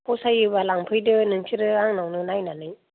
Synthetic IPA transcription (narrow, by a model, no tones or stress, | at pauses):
pʰɔsajɯbalaŋpʰɯjdɯnɯŋsʰiɾɯaŋnawnɯnajnanɯj